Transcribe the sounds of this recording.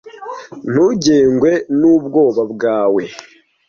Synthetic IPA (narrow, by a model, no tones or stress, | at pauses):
n̥uːɟeːŋɡwe̞nubɡo̞ːβabɡaːwe̞